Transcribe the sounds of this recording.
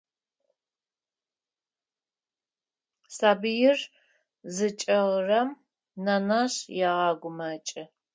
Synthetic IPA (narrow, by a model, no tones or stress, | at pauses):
saːbɨjɪr | zɨt͡ʃʼɐʁrɐm | nɐnɐɕjaːʁɑːɡʷʊmɐt͡ʃʼɪ